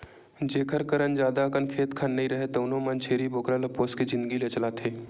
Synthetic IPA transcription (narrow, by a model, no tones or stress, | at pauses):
d͡ʒeːkʰəɾkəɾənd͡ʒjaːd̪akənkʰeːt̪kʰɐnːɐɦĩɾɐɦet̪ɐnõmɐnt͡ʃʰeːɾiboːkɾalɐpoːsked͡ʒɪ̃nd̪əɡilet͡ʃɐlat̪ʰeː